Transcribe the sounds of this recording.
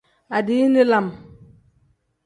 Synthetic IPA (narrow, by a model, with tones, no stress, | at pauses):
a˨di˨˦ni˦la˨m